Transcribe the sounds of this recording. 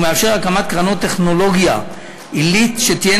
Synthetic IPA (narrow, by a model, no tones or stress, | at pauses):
meafʃe̞ʁalkamat̪̚kʁanot̪ːeχno̞lo̞ɡja | ʔilit̪ʃet̪ije